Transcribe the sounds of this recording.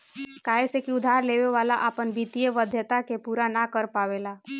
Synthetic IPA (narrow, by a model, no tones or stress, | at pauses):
kaːesekiʊd̪ʱaːɾleːʋeʋaːlaʔaːpənbit̪ijəʋəd̪ʱjət̪akepuːɾanakəɾpaːʋelaː